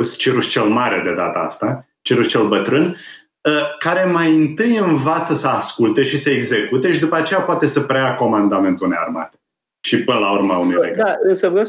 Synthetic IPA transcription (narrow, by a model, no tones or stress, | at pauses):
st͡ʃiɾust͡ʃe̞lmaɾed̪e̞d̪a̰t̪əa̰st̪a | t͡ʃiɾuʃt͡ʃe̞lbət̪ɾɨn | əkaɾe̞majɨnt̪ɨjɨnvat̪səsəaskult̪e̞ʃisəeɡze̞kut̪e̞ʃid̪upəat͡ʃe̞japoat̪e̞səpɾeako̞mand̪ame̞nt̪uneja̰rma̰t̪e | ʃipɨnəlaurmaunḛjɾḛɡaɨnsəvɾe